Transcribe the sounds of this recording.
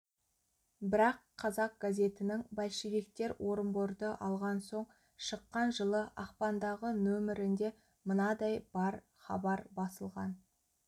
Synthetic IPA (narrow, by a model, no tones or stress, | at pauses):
bɪɾɑqʰːɑzɑq̚ɡ̥azʲe̞t̪ɪnɪŋbælʃeɡʲe̞k̚t̪e̞ɾwʔo̞ɾəmboɾd̪əʔɑlˠʁɑnso̞ɴ | ʃəqːɑnʒəlˠəʔɑqpɑnd̪ɑʁənɵmɪɾɪnd̪e̞ | mənɑd̪ɑjbɑɾ | χɑ̰bɑɾbɑsəlˠʁɑn